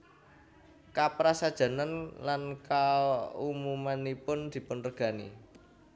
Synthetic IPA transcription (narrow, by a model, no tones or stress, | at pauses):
kapɾasad̥ʒ̥a̤nanlankaumumanipʊnd̪̥i̤pʊnrəɡ̥ä̤nḭ